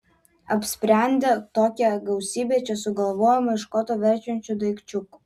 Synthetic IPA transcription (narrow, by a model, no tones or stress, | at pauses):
ɐpʲsʲpʲɾʲɛˑnʲd̪ʲet̪oːkʲɛɡɐʊsʲiːbʲeːt͡ʃʲɛsʊɡɐlˠʋoːjɛmɐɪʃkoːt̪oːʋʲɛɾʲt͡ʃʲɛnʲt͡ʃʲud̪ɐɪkt͡ʃʲʊku